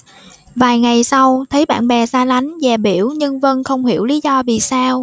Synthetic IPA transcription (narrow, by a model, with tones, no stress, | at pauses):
vaː˨˩jŋa˨˩jsa˧wt̪ʰə˨˦jɓa̰ː˧˨nɓɛ˨˩saː˧la˨˦jŋ̟zɛː˨˩ɓi˧˩əwɲɨ˧ŋvə˧nxə˧wŋ͡mhi˧˩əwli˨˦zɔ˧vḭ˧˨saː˧w